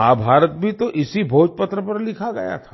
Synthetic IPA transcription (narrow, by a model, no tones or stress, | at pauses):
aːbʱaːɾət̪̚bʱit̪oʔɪsibʱoːd͡ʒpɐt̪ɾəpɐɾlɪkʰaɡɐja̰t̪ʰḁ